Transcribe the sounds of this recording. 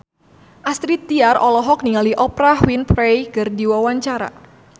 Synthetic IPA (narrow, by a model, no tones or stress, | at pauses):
ʔast̪ɾit̪̚ːiarʔɔlɔɦɔk̚niŋaliʔɔpɾahwinpɾejkɨrdiwawaɲt͡ʃaɾa̰